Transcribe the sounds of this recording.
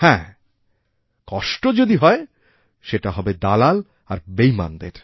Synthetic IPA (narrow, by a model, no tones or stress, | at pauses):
hɛ̃ | kɔʃʈod͡ʑod̪iɦɔe | ʃeʈaɦɔbed̪alal | aɾbejma̰nd̪eɾ